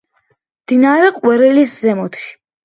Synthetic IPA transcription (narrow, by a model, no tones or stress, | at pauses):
md̪inaɾɛqʼwɛɾɛliszɛmɔt̪ʰʃi̥